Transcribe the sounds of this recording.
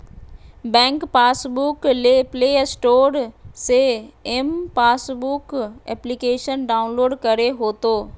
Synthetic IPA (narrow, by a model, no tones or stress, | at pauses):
bɛ̃ːŋkpaːsbukleːpleːsʈoːɾseɛmpaːsbukɛ̰ːplikeːʃənɖaːʊnloːɖkɐɾeɦoːt̪oː